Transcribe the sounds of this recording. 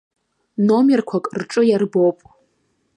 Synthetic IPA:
no̞merkʷʰakʼrʈ͡ʂʼɨjarbopʼ

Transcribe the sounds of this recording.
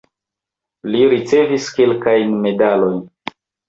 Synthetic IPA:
liɾit͡se̞viske̞lkajnme̞dalo̞jn

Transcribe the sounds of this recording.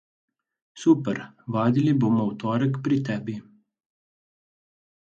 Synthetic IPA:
suːpɛɾʋaːd̪iliboːmɔwt̪ɔːɾəkpɾit̪ɛːbi

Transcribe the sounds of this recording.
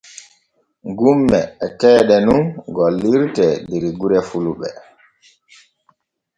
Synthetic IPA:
ɡumːɛːtɛːɗɛnunɡɔliɾtɛndeɾiɡuɾɛfuluɓɛ̰

